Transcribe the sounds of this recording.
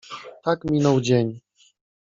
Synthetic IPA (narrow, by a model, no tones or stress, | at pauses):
t̪akmʲinɔwd͡ʑeɲ